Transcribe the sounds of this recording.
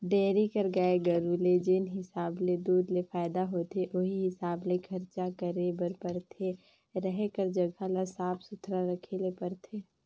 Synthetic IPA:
ɖeːɾikəɾɡaeɡəɾuled͡ʒɪnɦɪsaːbled̪uːd̪lefaːɪd̪aɦoːt̪ʰeʔoɦiɦɪsaːblekʰəɾt͡ʃakəɾebəɾpəɾt̪ʰe | ɾɛɦkəɾd͡ʒəɡʱalasaːpʰsʊt̪ʰɾaɾəkʰelepəɾt̪ʰeː

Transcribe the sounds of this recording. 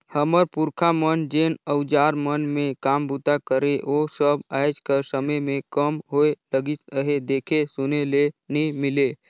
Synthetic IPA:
həməɾpʊɾkʰamənd͡ʒeːnəʊd͡ʒaːɾmənmẽkaːmbut̪akəɾeʔosəbaːɪd͡ʒkəsəməjmẽkəmɦoeləɡit̪əɦed̪eːkʰesʊnelenĩmɪle

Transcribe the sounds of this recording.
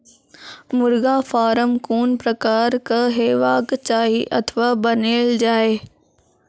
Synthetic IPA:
mʊɾɡafaːɾəmkuːnpɾɐkaːɾkəɦeːʋaːkt͡ɕaːɦiʔɐt̪ʰəʋaːbɐneːld͡ʑaːeː

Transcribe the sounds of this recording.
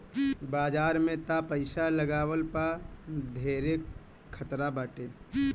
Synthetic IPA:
baːd͡ʒaːɾmẽt̪apəɪsaləɡaːwəlpad̪ʱeɾe | kʰːət̪ɾabaːʈe

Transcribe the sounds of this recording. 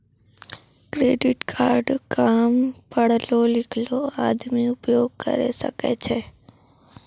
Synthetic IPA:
kɾeːɖɪʈkʰaːɾɖkaːmpəɽ̤lolɪkʰloaːd̪miʊpjoːɡ̚kə̰ɾḛsə̰kḛt͡ʃʰe

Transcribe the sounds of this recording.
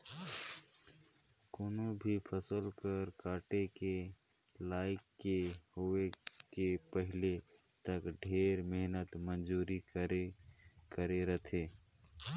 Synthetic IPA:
koːnõbʱipʰəsəlkəɾkaːʈeke | laːɪkːehoekepəɦɪle | t̪əkɖʱeːɾmeɦnət̪mənd͡ʒuːɾi | kəɾeɾət̪ʰeː

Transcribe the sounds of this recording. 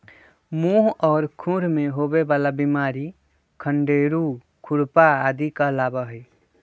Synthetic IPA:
muɦɔːɾkʰũɾmeɦobebaːlabimaɾi | kʰəɳɖeɾu | kʰʊɽpaːd̪ikalabəɦəj

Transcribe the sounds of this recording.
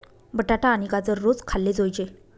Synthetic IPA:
bəʈaʈaːnikat͡səɾːot͡skʰalːed͡zojt͡ɕe

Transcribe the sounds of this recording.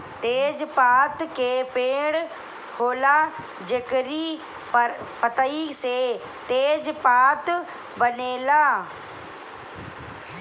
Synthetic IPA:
t̪eːd͡ʒpaːt̪kepeːɽ | hoːla | d͡ʒeːkɾi | pɐt̪əise | t̪eːd͡ʒpaːt̪ | bɐneːlaː

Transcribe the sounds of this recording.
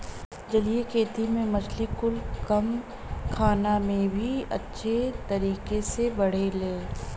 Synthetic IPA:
d͡ʒɐlijekʰeːt̪imẽmɐt͡ʃʰlikʊlkɐm | kʰaːnamẽbʱiɐ̰tːʃʰet̪ɐɾiːkesebɐɽ̤eleː

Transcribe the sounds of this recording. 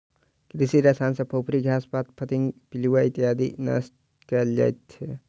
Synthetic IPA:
kɾisiɾɐsaːnsɐpʰopʰɾiɡʱjaːspat̪̚pʰɐt̪iŋpiliwait̪iɦaːd̪ḭnɐ̰sʈ | kɐld͡ʒa̰jt̪ːe

